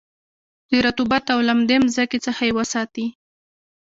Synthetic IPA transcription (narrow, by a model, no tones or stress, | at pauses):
d̪̥əɾat̪ubat̪awlamd̪emzaket͡səxajewəsɑt̪i